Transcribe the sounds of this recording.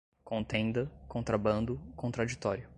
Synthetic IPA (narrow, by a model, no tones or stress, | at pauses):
kõnt̪ẽnd̪ɐkõt̪ɾabɐ̃nd̪ʊkõt̪ɾad͡ʒit̪ɔɾjʊ